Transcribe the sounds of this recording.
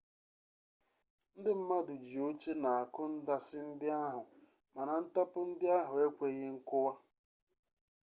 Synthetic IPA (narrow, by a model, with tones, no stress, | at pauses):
n̩˦dɪ˦m̩˦ma˦dʊ˨d͡ʒi˨o˦t͡ʃe˦na˨a˨kʊ˦n̩˦da˦sɪ˦n̩˦dɪ˦a˦ɦʊ˨ | ma˨na˨n̩˦ta˦pʊ˦n̩˦dɪ˦a˦ɦʊ˨e˦kʷe˨ɣɪ˦ŋ̩˦kʊ˦wa˦